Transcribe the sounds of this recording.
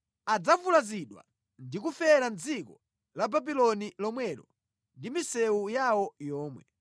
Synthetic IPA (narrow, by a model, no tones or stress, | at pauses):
ad͡zavulaziɗwa̰ | ndikufɛɾand͡zikɔ | lababilɔnilɔmwɛɾɔ | ndimisɛujawɔjɔːmwɛ̰